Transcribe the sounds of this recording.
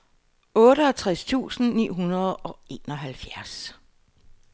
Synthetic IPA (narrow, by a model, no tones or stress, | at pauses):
ɔ̽ːɾəæt͡sʰʁast͡sʰṵːsn̩nḭːɦunɐð̞̩ˠɒ̽e̝̰ːnɒ̽ɦælfjæɐs